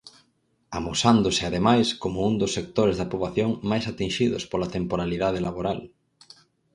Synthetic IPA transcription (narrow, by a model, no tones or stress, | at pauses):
amosand̪ʊsɪaðemajskomʊund̪ʊsːek̚t̪oɾezðɐpoβlaθjoŋmajsat̪inʃiðʊ̰spolat̪empoɾaliðaðelaβoɾal